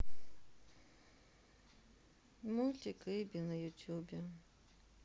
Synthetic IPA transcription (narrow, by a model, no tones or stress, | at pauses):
mulʲt̪ʲikɪbʲinɐjʊt̪ʲjubʲɛ